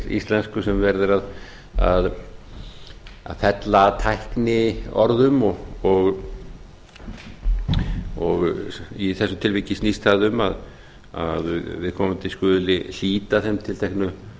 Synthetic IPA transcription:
ḭst̪lɛnskʏsɛmvɛɾðɪɾað | a̰ð | a̰ðfɛt̪lat̪ʰajhknɪɔ̰ɾðʏmɔɣɔɣ | ɔɣiθɛsːʏt̪ʰɪlviːcɪsnist̪aːðʏmað | a̰ðvɪðkʰɔːmʏmt̪ʰɪskʏːðlɪl̥iːt̪aθɛmt̪ʰɪlt̪ʰɛjhknʏ

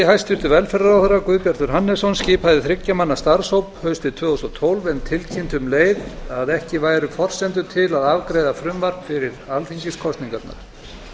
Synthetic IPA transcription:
hajst̪ʏht̪ʏvɛlfɛɾaawθaɾːakʏðpjaɾ̥t̪ʏɾ̥ɦanːɛsɔnsciːpaðɪθɾɪcːamanːast̪aɾ̥sowphœɥst̪ɪt̪ʰv̥œːusɔt̪ʰowlvɛnt̪ʰɪlcʰɪnt̪ʏmleːjðaðɛhcɪvaːjɾʏfɔr̥sɛnt̪̬ʏt̪ʰɪlaðavkɾejðafɾʏmvaɾpfɪɾɪɾalθiɲcɪskʰɔst̪niŋkat̪na̰ɾ̥

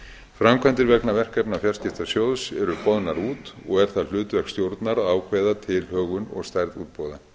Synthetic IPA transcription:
fɾamkʰvant̪ɪɾvɛknavɛr̥kɛpnafjarscɪht̪ḁsjowðsɛɾʏpɔðnaɾuːt̪ɔɣɛɾ̥θaðl̥ʏːt̪vɛhkst̪jowɾt̪naɾaːwkʰvɛjðat̪ʰɪlhœːɣʏnɔ̰ɣst̪ajɾðṵːt̪̚powða

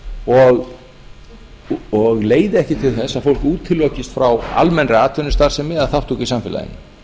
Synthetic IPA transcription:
ɔɣ | ɔɣleːjðɪɛhcɪt̪ʰɪlθɛsːaðfowlkuːt̪ʰɪlːocɪst̪fɾawa̰lmɛnɾɪaːt̪ʰœnɪst̪aɾ̥sɛmːɪðaðθawht̪ukisamfɪla̰ðɪ̰nːɪ

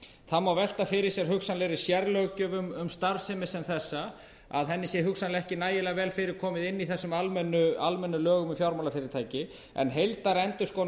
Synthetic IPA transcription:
θamːawvɛl̥t̪afɪɾɪɾ̥sjɛɾ̥ɦʏksanlɪɾɪ̥sjɛɾlœɣcʏvʏmʏmst̪aɾsɛmɪsɛnθɛsːa | a̰ðɦɛnːɪsjɛɦʏksanlɪɛhcɪnaːjɪlɛːɣavɛːlfɪɾɪɾ̥kʰɔːmɪðɪnːiθɛsːʏmalmɛnːʏalmɛnːʏlœːɣʏmʏfjawɾmawlafɪɾɪɾt̪ʰaːjcɪ | ɛ̰nɦejlt̪aɾɛnt̪ʏskoː

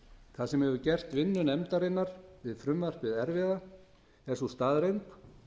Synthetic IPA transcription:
kʰθaðsɛmhɛvʏcɛr̥t̪vɪnːʏnɛmt̪aɾɪnːaɾ̥vɪðfɾʏmvar̥pvɪðɛɾvɪːða | ɛɾ̥sust̪aːðɾeɥmk

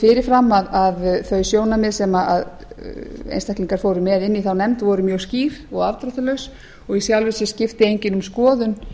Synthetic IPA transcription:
fɪɾɪɾ̥fɾamːaðaðθœɥsjoːwnamɛðsɛmaað | ḛjnst̪ahkliŋkaɾ̥foːwɾʏmɛðɪnːiθawnɛmt̪vɔɾʏmjœːɣsciːvɔɣavt̪ɾɔt̪ʏlœɥs | ɔɣisjawlvɪsɪscɪft̪ɪejɲcɪnʏmskɔːðʏn

